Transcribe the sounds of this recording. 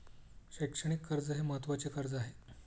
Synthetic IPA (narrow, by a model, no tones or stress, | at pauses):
ɕekʂəɽ̃ikʰːəɾd͡zəɦeməɦət̪ʋat͡ɕekəɾd͡zaɦe